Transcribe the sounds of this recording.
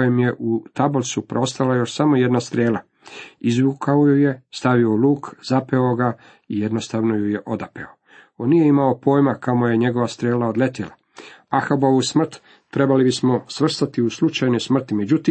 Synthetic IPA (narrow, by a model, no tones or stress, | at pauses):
jemje̞ʔut̪abolˠsupɾo̞st̪alajo̞ʃsamo̞jed̪nast̪ɾeːla | izʋukʰaojujest̪aʋioluːkzapeo̞ɡa | ijed̪nost̪aʋnojujeʔo̞d̪apḛo | onːije̞imao̞po̞ːjmakamoje̞ɲe̞ɡo̞ʋast̪ɾeːlao̞d̪le̞t̪ila | axaboʋusmr̩t̪ː | ɾe̞balibismo̞sʋr̩st̪at̪iuslut͡ʃajnojsmr̩t̪imed͡ʑut̪iː